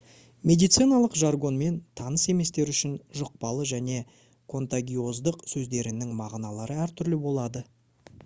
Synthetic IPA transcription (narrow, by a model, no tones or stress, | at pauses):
mʲe̞d̪ijt̪sijnɑlˠəqʒarɡo̞nme̞nt̪ʰɑnəse̞me̞st̪e̞ɾʏʃɪnʒʊq̚pɑlˠəʒæne̞ | kʰo̞nt̪aɡʲio̞zd̪əqsɵzd̪e̞ɾɪnɪŋmɑʁnɑlˠɑɾəæɾt̪ʰʏɾlɪbo̞lˠɑd̪ə